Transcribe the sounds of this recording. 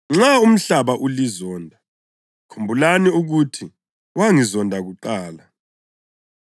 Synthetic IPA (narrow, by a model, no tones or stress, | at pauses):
ŋ͡ǁaum̩ɬaβaʔulizɔːndʱa | kʰumbʱulaniuɣutʰi | waŋizɔndʱaɣuǃaːla